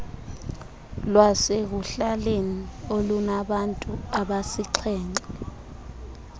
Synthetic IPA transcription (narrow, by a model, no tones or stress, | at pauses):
lwasek̬uɬaleniolunaɓantʼuaɓasiǀʰɛːŋɛ